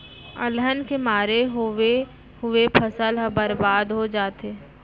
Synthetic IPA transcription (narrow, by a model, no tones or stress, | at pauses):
ə̰lɦənkemaːɾeɦe | hʊepʰəsəlɦbəɾbaːd̪ɦod͡ʒaːt̪eː